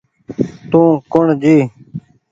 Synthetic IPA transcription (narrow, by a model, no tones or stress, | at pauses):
t̪ũːkʊɳd͡ʒiː